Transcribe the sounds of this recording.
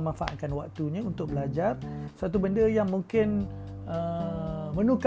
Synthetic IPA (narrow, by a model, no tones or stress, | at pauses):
mãnfaʔa̰t̪kanwak̚t̪uɲãunt̪ʊk̚bəlad͡ʒarsat̪ubəndəjaŋmũŋkɪnə | mə̃nuk